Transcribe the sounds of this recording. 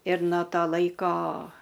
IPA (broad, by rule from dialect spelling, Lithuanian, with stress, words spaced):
ɪr noː ˈtoː ˈlˠɐɪkoː